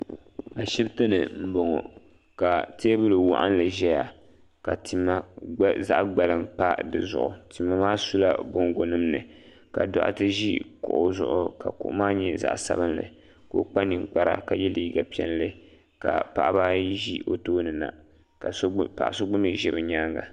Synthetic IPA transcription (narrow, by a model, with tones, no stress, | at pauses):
a˨ʃi˦btɨ˦nɨ̰˨m̩˦bo˨ŋɔ˨ | ka˨teː˦bɨ˦lɨ˨wa̰˦ʔa̰˦n˦lɨ˨ʒɛ˦ja˨ | ka˨ti˨mːa˦za˦ʔɡ͡ba˨lɨ˦mpa˦dɨ̰˨zʊ̰˨ʔʊ˨ti˨mːa˨maː˦su˦la̰˦bo˦ŋ˦ɡo˨nɨ˦mnɨ̰˨ | ka̰˨da̰˨ʔa̰˦tɨ˦ʒi˦kʊ̰˨ʔʊ˦zʊ̰˨ʔʊ˨ka˨kʊ̰˨ʔʊ̰˦maː˦ɲɛ˦za̰˨ʔsa̰˦bɨ˦nlɨ̰˨ | ko̰˦k͡pa˦nɨ˨ŋk͡pa˦ɾa̰˦ka˨jɛ˦li˨˦i˦ɡa˨pi˨˦ɛ˦n˦lɨ˦ | ka̰˨pa̰˨ʔbaː˦ʒi˦o˦toː˦nɨ˨na̰˨ | ka˨˦pa̰˨ʔso˦ɡ͡bʊ˦mi˦ʒi˨bɨ˨ɲaː˦ŋɡa̰˨